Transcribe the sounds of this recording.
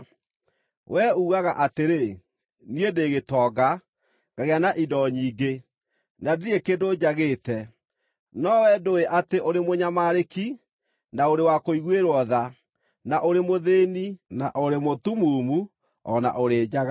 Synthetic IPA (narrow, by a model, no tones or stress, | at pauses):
wɛuːɣaɣaʔateɾe | niedeːɣetɔːɡa | ŋɡaɣeanaʔidɔɲiːɡe | nadekedoːd͡ʒaɣeːtɛ | nɔwɛdoeʔateʔoɾemoɲamaɾeki | naoɾewakoiɣweɾwɔða | naʔoɾemoðeːninaʔoɾemotumuːmu | ɔna̰ʔoɾeːd͡ʒaɣa